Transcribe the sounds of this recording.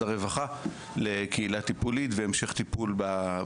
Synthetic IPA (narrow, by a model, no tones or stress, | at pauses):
aʁevaχa | lekʰeilat̪ipulit̪veemʃeχt̪ipulba